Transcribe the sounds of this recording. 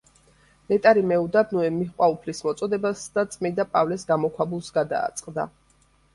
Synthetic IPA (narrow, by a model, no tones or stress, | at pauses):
nɛt̪ʼaɾimɛud̪abnuɛmiχqʼwaupʰlismɔt̪sʼɔd̪ɛbasd̪at̪sʼmid̪apʼavlɛsɡamɔkʰwabulˠsɡad̪a̰ːt̪sʼqʼd̪a̰